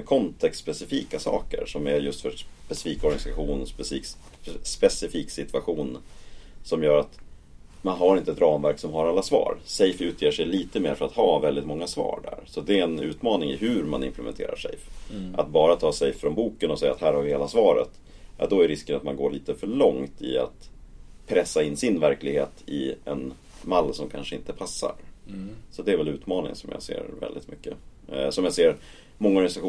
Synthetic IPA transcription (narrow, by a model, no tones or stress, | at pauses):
kʰɔnt̪ʰɛksspɛsɪfiːkasɑ̰ːkə̰ɾʂɔmæɾjɵst̪fœpɛsɪ̥fiːkɔɾɡanɪsaɧuːnspɛsiːk | spɛsɪfiːksɪt̪vaɧuːn | sɔmjœːɾat̪ | manɦaɾɪnt̪əɛt̪ɾɑːmvæɾksɔmɦaɾalːasvɑ̰ːɾsɛjfʉ̟ːt̪ʰjeːʂɛjliːt̪əmeːɾfœɾat̪hɑːvɛld̪ɪt̪mɔŋːasvɑ̰ːɾɖæ̰ɾsɔd̪ɛɛnʉ̟̰ːt̪mɑːnɪŋɪ̰ɦʉɾma̰nɪ̰mplɛmɛ̰nt̪ʰḛːɾa̰ʂɛ̰jfʔat̪̚bɑːɾat̪ʰɑːsɛjfɾɔnbuːkənɔsɛjːa̰t̪hæːɾhaɾvɪheːlasvɑːɾə̰t̪ | jɑ̰d̪ɔæɾɾɪskənat̪manɡoːɭiːt̪əfœɭɔŋt̪ɪ̰a̰t̪pʰɾɛsːaɪnːsɪnvæɾklɪɡheːt̪ɪɛn | malːsɔmkʰanʂəɪnt̪əpʰasːa̰ɾ | sɔt̪d̪ɛæɾvɛlʉ̟ːt̪mɑːnɪ̰ŋsɔmja̰ːsḛːɾvɛ̰ld̪ɪ̰t̪mʏkːəsɔmjaːseːɾ | mɔŋːaɔɾɡanɪsaɧuː